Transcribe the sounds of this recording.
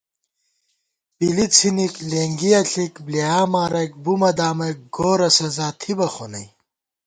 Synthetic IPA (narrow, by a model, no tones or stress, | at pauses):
bilit͡sʰinikleːŋɡiɐɬikbliaːmaːɾɐjk̚bumɐd̪aːmɐjk̚ɡoːɾɐsɐzaːt̪ʰibɐxonɐj